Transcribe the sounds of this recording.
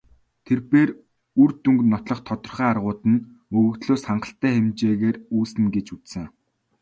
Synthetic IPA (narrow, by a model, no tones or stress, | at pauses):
t̪ʰerpeːr | urt̪uŋknɔt̪ɮɞ̆χt̪ʰɔt̪ɞ̆rχæːarʁʊːt̪ɘ̆n | mɵɣɵ̆kt̪ɮoːsχaɴɢə̆ɬt̪æːχemt͡ɕeːɣeːruːsɘ̆nɡet͡ɕut͡ssɘ̆ŋ